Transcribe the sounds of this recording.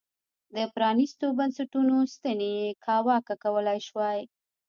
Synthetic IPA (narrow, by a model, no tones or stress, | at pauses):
d̪əpɾɑnist̪obansaʈunost̪anejekʰɑwɑkakawəlajʃwaj